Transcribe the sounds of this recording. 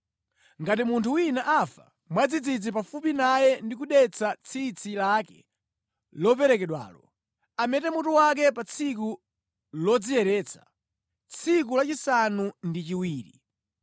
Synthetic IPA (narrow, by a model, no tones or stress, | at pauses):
ŋɡatimuntʰuwinaʔafa | mwad͡zid͡zid͡zip̬afupinajɛndikuɗɛt͡sʰat͡sʰit͡sʰilakɛ̥̰ | lɔp̬ɛɾɛkɛɗwa̰ːlɔ | amɛtɛmutuwak̬ɛpat͡sʰik̬u | lɔd͡zijɛɾɛːt͡sʰḁ̰ | t͡sʰikulat͡ʃisanundit͡ʃiwiːɾi